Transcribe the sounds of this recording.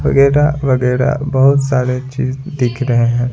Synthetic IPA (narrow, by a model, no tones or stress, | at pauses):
ʋɐɡɛːɾaʋɐɡɛːɾa̰bɐɦʊt̪saːɾet͡ʃiːzd̪ɪkʰɾɐɦeɦɛ̃ː